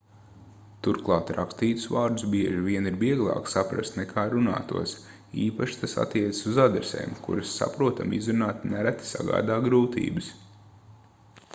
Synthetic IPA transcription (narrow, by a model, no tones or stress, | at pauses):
t̪uɾklˠɑːt̪ɾakst̪iːt̪ʊ̥sʋaːɾd̪usbiɛʒiʋʲiɛniɾbiɛɡlˠɑ̰ːksapɾa̰st̪nɛkʰaːɾuna̰ːt̪uɔs | iːpaʃi̥t̪asa̰t̪ːiɛt̪t͡s̪ə̥suzad̪ɾesḛːmkṵɾasːa̰pɾuɔt̪amizɾunaːt̪næɾæt̪sa̰ɡa̰ːd̪aːɡɾuːt̪ḭːbɨs